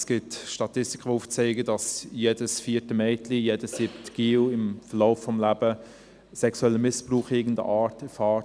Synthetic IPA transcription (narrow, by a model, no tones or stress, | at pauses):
sɡ̥ɪtʃtɑtɪsti̥kʰəʋouːft͡sɛɪɡəd̥ɑsjedəsfiːtəmɛɪtlijeːdəssɪbtkiːwɪmfərloʊfːɔmlæb̥ə | sɛksuɛlːəmɪspruːχɪːɡən̩də̰ʔɑːtɛfɑː